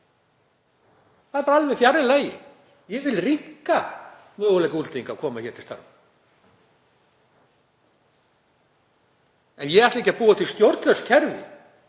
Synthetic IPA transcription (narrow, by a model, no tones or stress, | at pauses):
θat̪ːaɾalvɛfjaɾːɪlaːjɪ̰ | jɛɣvɪlrihka | mœːɣʏlɛjkault̪iŋkaːwkʰɔːmaçɛːɾt̪ɪ̥st̪a̰ɾ | ɛnjɛɣɛɾaθt̪ejcːapuːaθist̪jowɾt̪lœscʰɛɾvɪ̰